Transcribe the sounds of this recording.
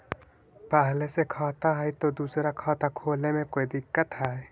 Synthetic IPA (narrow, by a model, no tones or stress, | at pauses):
pəɦlesekʰaːt̪aɦɛjt̪od̪uːsɾakʰɔːt̪akʰoːlemẽkoːid̪ɪkːət̪ɦɛ